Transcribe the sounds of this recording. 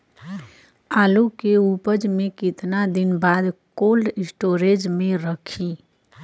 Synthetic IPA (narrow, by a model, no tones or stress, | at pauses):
aːlukeupəd͡ʒmẽkɪt̪nad̪ɪnbad̪koːlɖɪsʈoːɾed͡ʒmẽɾəkʰi